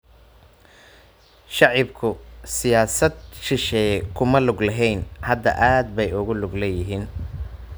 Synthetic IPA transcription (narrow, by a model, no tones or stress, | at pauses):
ʃɑʕɪbkʰʊsɪjaːsɐd̪̚ʃɪʃɛjkʰʊmɐlʊɡlɐɦɛjnhɐd̪ɐ̰ʔaːd̪̚bɛjʊɣʊlʊɡlɛːjɪɦiːn